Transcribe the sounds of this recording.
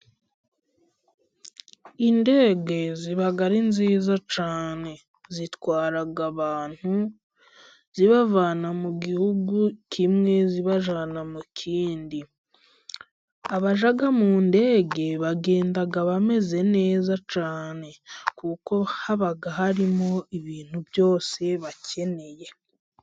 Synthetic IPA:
inde̞ːɡe̞ziβaɡaɾinziːzat͡ʃaːne̞ | zitwaːɾaɡaβaːn̥hu | ziβavaːnamuɡihuɡukʰimŋe̞ziβaʒanamukʰiːndi | aβaʒaɡamuːnde̞ːɡe̞βaɡe̞ːndaɡaβame̞ze̞ne̞ːzat͡ʃaːne̞kuko̞haβaɡaɦaɾimo̞iβiːn̥hubjo̞ːse̞βace̞ne̞je̞

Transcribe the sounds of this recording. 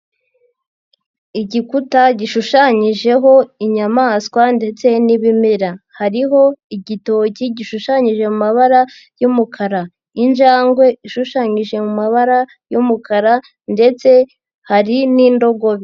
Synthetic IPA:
iɟikutaɟiʃuʃaɲiʒe̞ɦo̞iɲamaskwande̞t͡se̞niβimeɾahaɾiɦo̞iɟito̞ːciɟiʃuʃaɲiʒe̞mumaβaɾa | jumukʰaɾa | inʒaːŋɡwe̞iʃuʃaɲiʒe̞mumaβaɾa | jumukʰaɾa | nde̞t͡se̞ | haɾinindo̞ɡo̞βi

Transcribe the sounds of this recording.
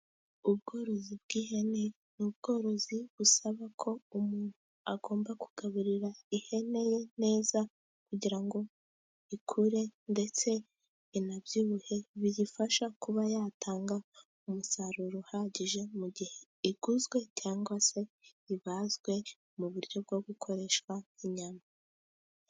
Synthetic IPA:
ubɡo̞ːɾo̞zibɡ̥iːɦe̞ne | nubɡ̥o̞ːɾo̞ziβusaβakʰo̞umuːn̥huaɡo̞ːmbakuɡ̥aβuɾiɾaihe̞ne̞je̞ne̞ːza | kuɟiɾaŋɡo̞ | ikʰuɾe̞nde̞t͡se̞ | inabjuβuhe̞βijifaʃakuβajatʰaːŋɡa | umusaɾuɾohaɟiʒe̞muɟihe̞ | iɡ̥uzɡwe̞caːŋɡwase̞iβazɡwe̞ | muβuɾɟo̞b̚ɡo̞ɡukʰo̞ɾe̞ʃwḁiɲama

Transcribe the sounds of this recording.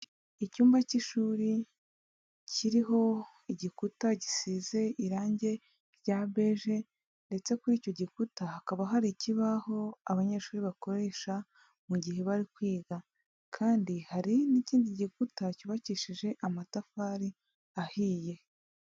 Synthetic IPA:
icuːmbaciʃuːɾi | cʰiɾiɦo̞ | iɟikutaɟisize̞iɾaːɲɟe̞ | ɾɟaːβe̞ʒe̞ | nde̞t͡se̞kuɾiːco̞ɟikutahakaβaɦaɾiciβaho̞aβaɲe̞ʃuːɾiβako̞ɾe̞ːʃa | muɟihe̞βaɾikwiːɡa | kʰaːndihaɾiniciːndiɟikutacuβaciʃiʒe̞ʔamatafaːɾi | ahiːje̞

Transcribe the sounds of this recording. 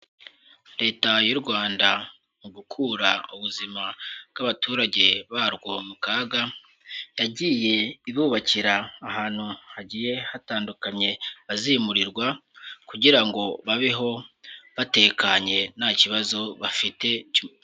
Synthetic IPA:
ɾe̞ːtajuɾɡwaːnda | muɡukʰuɾauβuzimabɡaβatuːɾaɟe̞βaɾɡomukaɡa | jaɟiːje̞iβuβaciɾaːhaːn̥huhaɟiːje̞hataːndukaɲe̞βazimuɾiɾɡwakuɟiɾaŋɡo̞βaβiɦo̞βate̞kaɲe̞naciβazo̞βafite̞u

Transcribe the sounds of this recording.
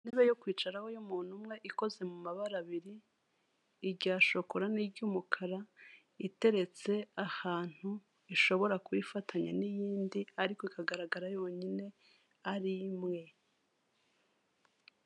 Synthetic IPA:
neβejokwiːt͡ʃaɾaho̞jomuːn̥humŋe̞ʔiko̞ze̞mumaβaɾaβiɾiː | ɟaːʃo̞koɾanibɟuːmukʰaɾa | ite̞ɾe̞t͡se̞ahaːn̥hu | iʃo̞βo̞ɾakuβifatʰaɲanijiːndiaɾikoikaɡaɾaɡaɾajo̞ːɲine̞ | aɾimŋe̞

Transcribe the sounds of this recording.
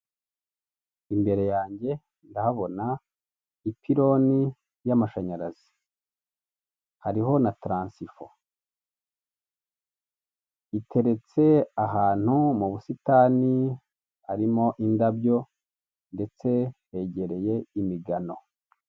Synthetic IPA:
imbe̞ɾe̞jaːɲɟe̞ | ndahaβo̞na | ipʰiɾo̞ni | jamaʃaɲaɾazi̥ | haɾiɦo̞natɾaːnsifo̞̰ | itʰe̞ɾe̞t͡se̞aɦaːn̥humuβusitaːni | aɾimo̞ʔindabɟo̞ | nde̞t͡se̞he̞ɟe̞ɾe̞je̞imiɡano̞

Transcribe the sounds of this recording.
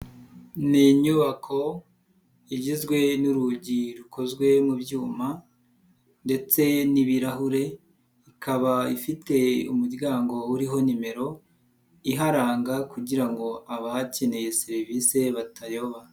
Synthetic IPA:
niɲuβakʰo̞ | iɟizɡwe̞nuɾuɟiɾukʰo̞zɡwe̞mubjuːma | nde̞t͡se̞niβiɾaɦuɾe̞ | ikʰaβaifite̞umuɾɡaːŋɡo̞uɾiɦo̞nime̞ɾo̞ | iɦaɾaːŋɡakuɟiɾaŋɡo̞aβahace̞ne̞je̞seɾivise̞βatʰajo̞βa

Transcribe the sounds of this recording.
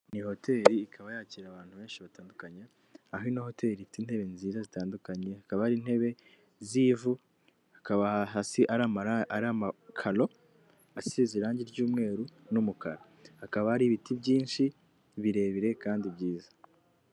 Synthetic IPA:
niho̞te̞ːɾiːkʰaβajaːciɾaβaːn̥huβe̞ːnʃiβataːndukaɲe | aɦinoho̞te̞ːɾifitin̥he̞βe̞nziːɾazitaːndukaɲe̞hakaβahaɾin̥he̞βe̞ | ziːvu | hakaβaaɦasiʔaɾamaɾaɾamakʰalo̞ | asiziɾaːɲɟiɾɟuːmŋe̞ːɾunumuka̰ɾa | hakaβahaɾiβitibɟiːnʃi | βiɾe̞ːβiɾe̞kaːndibɟiːzḁ

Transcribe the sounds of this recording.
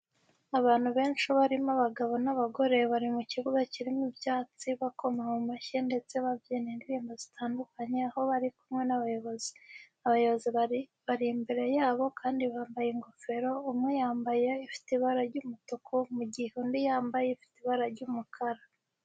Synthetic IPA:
aβaːn̥huβe̞ːnʃiβaɾimaβaɡaβo̞naβaɡo̞ɾe̞βaɾimuciβuɡaciɾimibjaːt͡siβako̞mahomaʃende̞t͡se̞βavjeːnendiβiːmbozitʰaːndukaɲeaho̞βaɾikumŋe̞naβajo̞βo̞zi | aβajo̞βo̞ziβaɾimbe̞ɾe̞jaːβo̞kʰaːndiβaːmbajeŋɡo̞fe̞ɾo̞umŋejaːmbaje̞ifi̥tiβaɾaɾɟumutokʰomuɟihundijaːmbajeifi̥tiβaɾaɾɟumukʰaɾa

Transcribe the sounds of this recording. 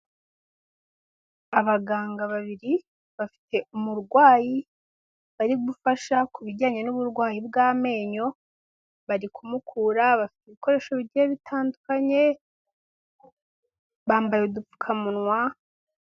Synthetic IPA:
aβaɡaːŋɡaβaβiɾi | βafi̥te̞umuɾɡwaːji | βaɾiɡufaʃakuβiɟaːɲe̞nuβuɾɡwaːjibɡaːme̞ːɲo̞ | βaɾikumukʰuɾaβafi̥tiuβiko̞ɾe̞ːʃo̞βiɟieβitʰaːndukaɲe̞ | βaːmbajeudufu̥kʰamunŋwa

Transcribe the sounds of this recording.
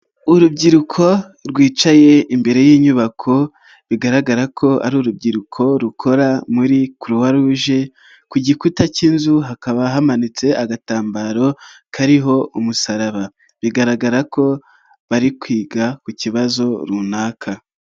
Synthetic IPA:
uɾubɟiɾukʰo̞ | ɾɡwiːt͡ʃaje̞imbe̞ɾe̞jiːɲuβakʰo̞ | βiɡaɾaɡaɾakʰo̞ʔa̰ɾuɾub̚ɟiɾukʰo̞ɾukʰo̞ɾamuɾikuɾuwaɾuːʒe̞ | kuɟikutaciːnzuɦakaβaɦamanit͡se̞aɡataːmbaɾo̞kʰaɾiɦo̞umusaɾaβa | βiɡaɾaɡaɾakʰo̞ | βaɾikwiːɡakuciβazo̞ɾunaːkʰa

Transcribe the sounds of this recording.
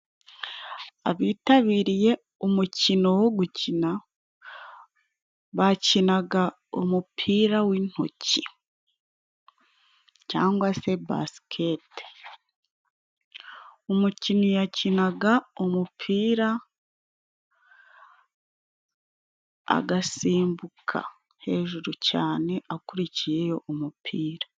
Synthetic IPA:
a̰βiːtaβiːɾije̞ | omucino̞woɡucina | βacinaɡa | omupʰiːɾawin̥ho̰ci | ca̰ːŋɡwase̞ba̰skʰe̞te̥ | omucinijacinaɡaomupʰiːɾa | ɡasiːmbukʰa̰ | he̞ːʒuɾucaːne̞ʔakuɾicije̞jo̞ʔumupʰiːɾa

